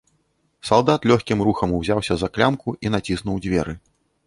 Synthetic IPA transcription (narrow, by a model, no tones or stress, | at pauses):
salˠd̪at̪lʲɔxʲkʲimɾuxɐmuwzʲawsʲɐzaklʲamkuʔinat͡sʲisnuwd͡zʲvʲɛɾɨ